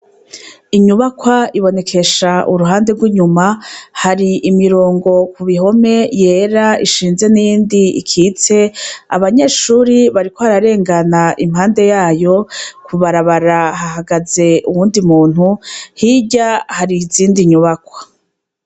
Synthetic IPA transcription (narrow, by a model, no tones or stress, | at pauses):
iɲuβakwaiβo̞ne̞kʰe̞ʃaʔuɾuɦaːnde̞ɡwiɲumahaɾiʔimiɾoːŋɡo̞kuβiɦo̞me̞je̞ːɾaiʃiːnze̞nijiːndiḭkʰiːt͡se̞a̰βaɲe̞ːʃuːɾiβaɾikoβaɾaɾe̞ːŋɡanaʔimhaːnde̞jaːjo̞kʰuβaɾaβaɾaɦahaɡaze̞uwuːndimuːn̥huhiɟahaɾiziːndiɲuβakwḁ